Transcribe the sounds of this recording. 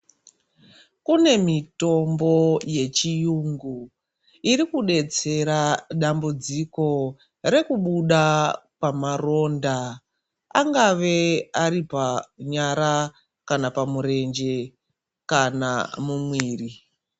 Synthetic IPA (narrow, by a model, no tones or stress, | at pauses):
kune̞mito̞mbo̞je̞t͡ʃijuŋɡu | iɾikuɗe̞t͡se̞ɾaɗambud͡ziko̞ | ɾe̞kuɓuɗapamaro̞nda | a̰ŋɡaʋe̞aɾipaɲaɾa | kanapamuɾe̞nd͡ʒe̞ | kana̰mumwiːri